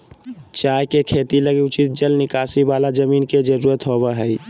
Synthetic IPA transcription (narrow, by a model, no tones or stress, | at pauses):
t͡ʃajkekʰet̪iləɡeut͡ʃit̪̚d͡ʒəlnɪkasibalad͡ʒəmiːnked͡ʒəɾuɾət̪ɦoβɛɦəj